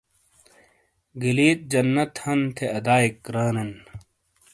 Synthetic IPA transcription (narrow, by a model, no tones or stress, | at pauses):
ɡiliːt̪̚d͡ʑɐnːɐt̪hɐnt̪ʰeɐd̪aːikɾaːnɐn